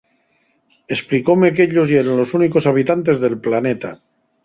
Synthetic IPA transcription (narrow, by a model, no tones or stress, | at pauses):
esplikomek̬eʎosjeɾanlo̞suniko̞saβit̪ant̪̬e̞zðe̞lplanet̪a̰